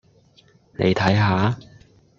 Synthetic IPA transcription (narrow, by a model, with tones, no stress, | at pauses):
nḛ˨˧jt̪ʰɐ˨˥jɦaː˨˥